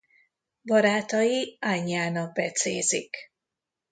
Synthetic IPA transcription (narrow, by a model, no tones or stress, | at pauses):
bɒɾaːt̪ɒjiaɲːaːnɒɡ̚bɛt̪seːzik